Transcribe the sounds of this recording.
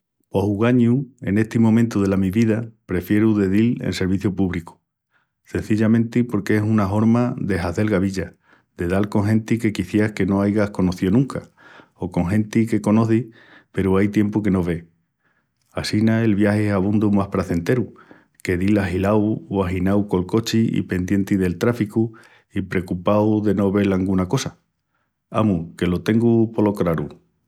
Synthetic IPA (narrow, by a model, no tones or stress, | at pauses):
o̞huɣaɲue̞̰ne̞ht̪imõ̞mẽnt̪uð̞e̞lamiβiðapɾe̞fje̞ɾuðe̞ðilḛnse̞ɾβ̞iθjopuβliku̥ | se̞n̟θiʎamẽ̞nt̪ipo̞ɾkeesunaɦo̞ɾmaðe̞ɦaθe̞lɣaβiʎa | ðe̞ðalko̞ŋɦe̞nt̪ike̞kiθjeahke̞no̞ajɣahko̞no̞θionũŋka | oko̞ŋɦẽ̞nt̪ike̞ko̞no̞θi | pe̞ɾuajt̪je̞mpuke̞no̞βe̞ | asinae̞lβjaheaβ̞und̪umahpɾaθe̞nt̪e̞ɾu | ke̞ðilaɦilawaɦinawko̞lko̞t͡ʃiḭpe̞nd̪je̞nt̪iðe̞lt̪ɾafiku | ipɾe̞kupawðe̞no̞βe̞laŋɡunako̞sa | a̰muke̞lo̞t̪e̞ŋɡupo̞lo̞kɾaɾu